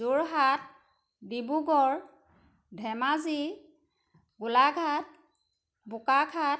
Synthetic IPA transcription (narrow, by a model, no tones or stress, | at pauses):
zuɹɦat̚ | bibuɡɔɹ | dʱɛmazi | ɡʊlaɡʱat̚ | bʊkakʰat